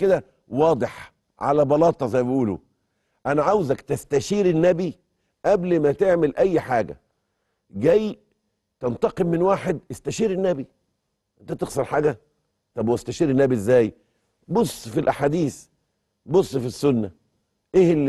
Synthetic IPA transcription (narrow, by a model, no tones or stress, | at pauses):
ked̪æ | wɑːd̪ˤɨħ | ʕa̰læbɑlɑːt̪ˤɑzæjbiʔuːlṵ | ʔænæʕawzækt̪æst̪æʃiːɾɪnːæbi | ʔæblmæt̪eʕmɪlʔæjːħaːɡæ̰ | ɡæj | t̪ɑnt̪ɑqemːɪnwaːħed̪̚ʔɪst̪æʃiːɾɪnːæbi | ʔent̪æt̪exsɑɾħaːɡæ | t̪ˤɑbwst̪æʃiːɾɪnːæbiʔezːæːj | bosˤːfilʔaħaːd̪iːθ | bosˤːfisːʊnːæ | ʔehl